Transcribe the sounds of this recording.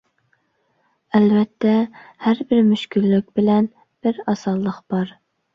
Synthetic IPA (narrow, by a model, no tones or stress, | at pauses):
ɛlvɛt̪ʰːɛhæɾbɪɾmyʃkʲʰylːykʲbɪlɛn | b̥ɪɾɑsɑlˠːəqb̥ɑɾ